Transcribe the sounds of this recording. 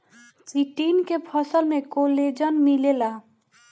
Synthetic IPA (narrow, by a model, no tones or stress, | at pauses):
siʈinkepʰʌsəlmekoled͡ʒənmilela